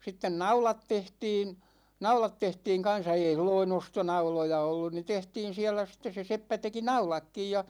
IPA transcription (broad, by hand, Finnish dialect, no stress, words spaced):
sitːen nɑulɑt tehtiːn nɑulɑt tehtiːŋ kɑn̞sɑ ei silloin ostonɑulojɑ olːun ni tehtiːn̞ siælæ sitˑes se sepːæ teki nɑulɑkːij jɑ